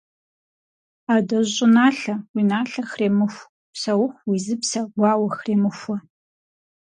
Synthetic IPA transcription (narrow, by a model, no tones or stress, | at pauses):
adɐʒʷʼʊnaːɬɐwinaːɬɐxreːmɨxʷ | psɐwʊχʷwizɨpsɐɡʷaːwɐxreːmɨxʷɐ